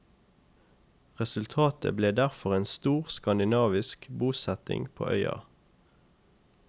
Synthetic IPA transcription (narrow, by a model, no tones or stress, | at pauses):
ʁɛsʉlt̪ʰɑːt̪ə̰bleːd̪æʁfɔʁeːnst̪uːʁskɑnd̪ɪnɑːʋɪskbuːsɛt̪ɪ̰ŋpʰo̰ːʔœʏɑ̰